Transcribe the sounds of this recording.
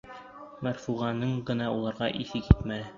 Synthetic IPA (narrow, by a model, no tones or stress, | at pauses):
mæɾfuʁɑnɤɴɢɤ̆nɑulˠɑɾʁɑʔiθɘkit̪mælɘ